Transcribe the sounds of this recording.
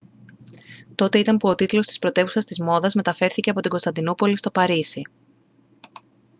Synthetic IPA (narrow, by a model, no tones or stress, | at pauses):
t̪o̞t̪e̞it̪ɐmpuo̞t̪it̪lo̞st̪ispɾo̞t̪e̞vusɐst̪izmo̞ðɐzme̞t̪ɐfe̞ɾθice̞ɐpo̞t̪iɡo̞st̪ɐnd̪inupo̞list̪o̞pɐɾisi